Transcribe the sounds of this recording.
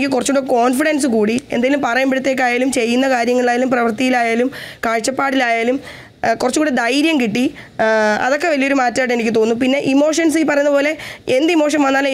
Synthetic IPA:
kʲːilkurɐt͡ɕːuɽːeko̞ːnfiɽɐns̬ɨkuːɽiend̪aːjɐlumpɐrɐjɐmbiɽut̪ːe̞ːkːaːjaːlumt͡ɕe̞jːunːɐkaːɾjɐŋːɐɭaːjaːlumprɐʋɐrt̪ijilaːjaːlumkaːɻt͡ɕːɐpːaːɽilaːjaːlum | kurɐt͡ɕːukuːɽid̪ɐjɾjɐmkiʈːi | ɐ̰ðo̞kːe̞ʋɐlijo̞ɾumaːtːajʈːenikʲːɨt̪oːnːupinːe̞ʔimo̞ːʂɐnsɨpːɐrɐjunːɐpo̞ːle̞end̪imo̞ːʂ̬ɐnʋɐnːaːl

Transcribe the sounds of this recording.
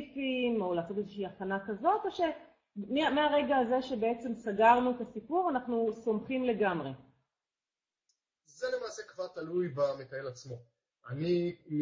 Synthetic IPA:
fimo̞laːso̞t̪ezeʃiaχanakazo̞t̪o̞ʃe̞ | meameaʁe̞ɡaːze̞ʃe̞be̞et͡se̞msaɡaʁnuet̪asipuʁanaχnuso̞mχimle̞ɡamʁe̞ | zelemaːsekvaʁt̪alujbamekaelat͡smo̞ | ani

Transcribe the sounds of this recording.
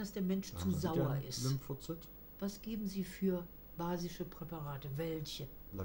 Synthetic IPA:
d̥asd̥eːɐmɛnʃt͡suzaʊɐʔɪ̰stɪmfot͡sɛt | v̥asɡ̥eːbm̩ziːfyːɐ | b̥aːzɪʃəpʁ̥ɛpaʁaːtəvɛlçə

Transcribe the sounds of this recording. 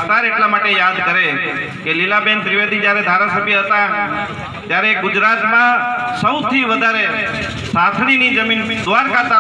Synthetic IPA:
t̪aɾeʈlamaʈejad̪kəɾe | kelilabenp̪ɾiʋed̪ʱid͡ʒjaɾed̪ʱaɾasəbʱjəɦət̪a | t̪jaɾeɡʊd͡ʒɾat̪mãsəwt̪ʰiʋəd̪ʱaɾe | sat̪ʰɽinid͡ʒəmind̪ʋaɾkat̪a

